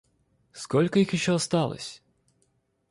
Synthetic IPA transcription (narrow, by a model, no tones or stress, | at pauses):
skɔlʲkɐjixjiʃt͡ʃːɔːst̪ɑlˠɪ̰sʲ